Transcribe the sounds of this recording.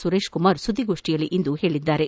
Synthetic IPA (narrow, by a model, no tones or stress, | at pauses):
suɾeːʃkumaːɾsud̪ʱːiɡo̞ːʂʈijɐlːiʔind̪uhe̞ːɭid̪ːaːɾe